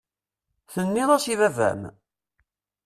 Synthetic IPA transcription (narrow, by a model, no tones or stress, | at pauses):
θənːiðˤɑsiðævæ̰m